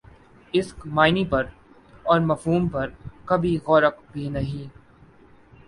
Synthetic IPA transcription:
ɪskmaːɪnipɐɾ | ɔːɾmɐfɦuːmpɐɾkɐbʱiɣɔːɾəkbʱinɐɦĩː

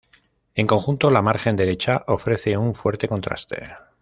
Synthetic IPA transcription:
e̞ŋkõ̞ŋxunt̪o̞lamaɾxe̞nd̪elet͡ʃaʔo̞fɾe̞θe̞uɱfwe̞ɾt̪e̞ko̞nt̪ɾa̰st̪e̞̰

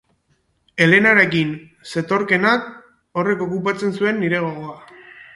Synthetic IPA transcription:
e̞le̞naɾe̞kin | se̞t̪o̞ɾke̞nak | o̞re̞ko̞kupat͡se̞nsue̞nːiɾe̞ɣ̞o̞ɣo̞a

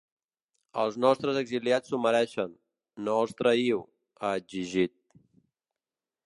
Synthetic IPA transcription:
əlˠznɔst̪ɾəzəɡziliat͡suməɾɛʃənː | oəlˠst̪ɾəiw | əːd͡ʒiʒit̪̚

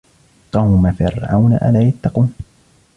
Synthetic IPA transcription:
qɑwmafɪ̰ɾʕa̰wna̰ʔa̰laːjat̪ːɑquːn

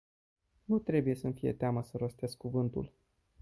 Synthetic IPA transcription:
nut̪ɾe̞buje̞sənfije̞̰t̪eaməsəɾo̞st̪e̞skuvɨnt̪ṵl

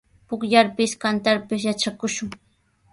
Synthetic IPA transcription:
pʊkʎaɾpɪskant̪aɾpɪs̬jat͡ʃakʊʃʊŋ

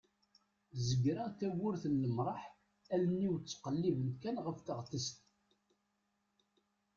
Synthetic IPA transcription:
zəɡɾæθæwʊɾθənːəmɾˤɑħ | ælənːiwt͡sːqəlːivənkænʁəfθəʁt̪əst̪

